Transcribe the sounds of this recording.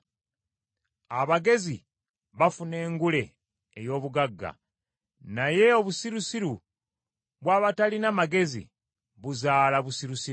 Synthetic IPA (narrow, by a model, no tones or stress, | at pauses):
aβaɡe̞zi | βafune̞ːŋɡule̞ː | jo̞ːβuɡaɡːa̰ | naje̞oβusiɾusiɾu | βwaːβatalinamaɡe̞zḭ | βuzaːlaβusiɾusiu